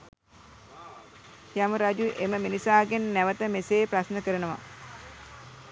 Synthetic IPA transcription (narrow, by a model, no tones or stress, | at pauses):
jaməɾad͡ʒuʔeməminisaːɡenːæʋət̪əmeseːprasnəkəɾənəʋa̰